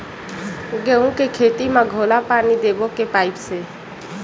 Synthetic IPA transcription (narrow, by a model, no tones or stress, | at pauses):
ɡeũkekʰeːt̪imãɡʱoːlapaːnid̪eːbokepaːɪpse